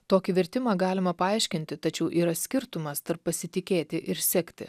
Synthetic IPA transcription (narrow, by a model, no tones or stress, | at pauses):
t̪oːkʲɪʋʲɛɾʲt̪ʲɪmɑːɡɑːlʲɪmɐpɐɐɪʃʲkʲɪnʲt̪ʲɪt̪ɐt͡ʃʲɛʊʔiːɾɐsʲkʲɪɾt̪ʊmɐst̪ɐɾppɐsʲɪt̪ʲɪkʲeːt̪ʲɪʔɪɾsʲɛkʲt̪ʲɪ̰